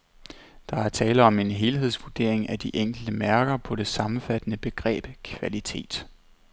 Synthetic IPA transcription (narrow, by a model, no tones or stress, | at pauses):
d̥ɑ̈æɐt͡sʰɛːləɒ̽me̝nɦe̝ːlɦe̝ð̞̰ˠsʋuɐd̥e̝ɐ̰e̝ŋæd̥iʔeŋ̰ɡ̥l̩d̥əmæɐɡ̥ɐpʰɒ̽ɾ̥e̝sɑ̈mm̩fæd̥ənəb̥e̝ɡ̥ʁɛ̰ːb̥kʰʋælit͡sʰe̝̰ːd̥